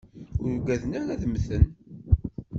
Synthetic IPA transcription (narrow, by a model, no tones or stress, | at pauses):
ʊɾɡæðənæɾæðmθən